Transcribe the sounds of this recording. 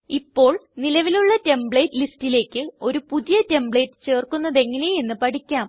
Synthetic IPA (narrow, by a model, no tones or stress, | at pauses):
ipːo̞ːɭnilɐʋiluɭːɐte̞mbɭe̞ːtːlistːile̞ːkʲːɨo̞ɾupuðijɐte̞mbɭe̞ːtːɨ̥t͡ɕe̞ːrkunːɐðe̞ŋːɐne̞je̞nːɨpɐʈʰikʲːaːm